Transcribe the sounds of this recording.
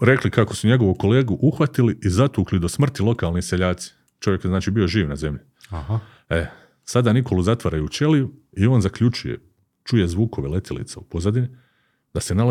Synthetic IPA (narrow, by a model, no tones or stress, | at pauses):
ɾe̞klikako̞suɲe̞ɡo̞ʋuko̞le̞ːɡuʔuxʋat̪iliʔizat̪uːklid̪o̞smr̩t̪ilo̞kaːlniseʎaːt̪si̥ | t͡ʃo̞ʋjekjeznaːt͡ʃiːbio̞ʒiːʋnaze̞mʎi | e | sad̪aːniko̞luzat̪ʋaɾajuːt͡ʃe̞liju | io̞ːnzakʎut͡ʃujḛ | t͡ʃuje̞zʋuːko̞ʋele̞t̪ilḭt̪saupozad̪ini | d̪ase̞nala